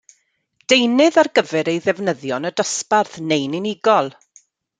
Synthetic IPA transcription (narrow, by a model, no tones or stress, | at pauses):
d̥ejnɨðarɡəvɛɾejðɛvnəðjɔnədəsparθnejnɪnɪɡɔlˠ